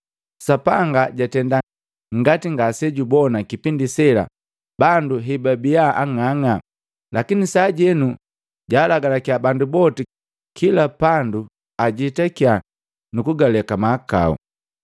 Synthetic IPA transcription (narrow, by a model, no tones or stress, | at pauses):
sapaŋɡaɟatɛnda | ŋɡatiŋɡasɛɟubɔnakipindisɛla̰ | banduɦɛbabijaʔaŋaŋa | lʔakinisaːɟɛnu | ɟaːlaɡalakiabandubɔti | kʰilapandu | aɟitakia | nukuɡalɛkamaːka̰ṵ